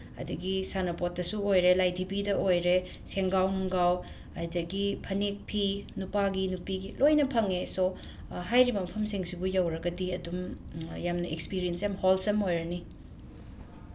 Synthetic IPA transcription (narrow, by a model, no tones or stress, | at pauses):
ɐ̰dɐɡisanɐpot̚dɐsuojɾelajdʱibidɐʔojɾe | seŋɡawnuŋɡaw | ɐjdɐɡipʰɐnek̚pʰinupaɡinupiɡilojnɐpʰɐŋeso | ɦajɾibɐmɐpʰɐmsiŋsibujɐwɾɐɡɐdiɐdumjamnɐʔekspiɾijensjamholsɐmojɾɐni